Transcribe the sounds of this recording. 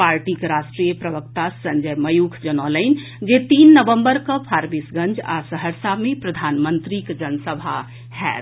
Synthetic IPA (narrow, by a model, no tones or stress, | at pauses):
paɾʈikɾasʈɾijəpɾəbəkt̪asəɲd͡ʒəjməjukʰd͡ʒənɔləɪn | d͡ʒet̪inːəʋəmbəɾkəpʰaɾbisɡə̃nd͡ʒa̰səɦəɾsamepɾəd̪ʱanmənt̪ɾikd͡ʒənsəbʱa | ɦɛ̰t̪